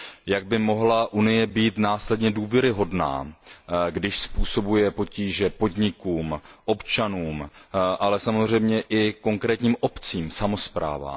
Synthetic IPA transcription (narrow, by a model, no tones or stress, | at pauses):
jaɡ̚bɪmo̞ɦlaʔunɪjɛbiːt̪naːslɛdɲɛduːvjɛɾɪɦo̞dna̰ː | ɡdɪʃspuːso̞bujɛpo̞ciːʒɛpo̞dɲɪkuːmʔo̞pt͡ʃanuːmʔalɛsamozr̝ɛjmɲɛʔɪko̞ŋkɾɛːt̪ɲiːmʔo̞pt͡siːmsamo̞spɾa̰ːva̰ː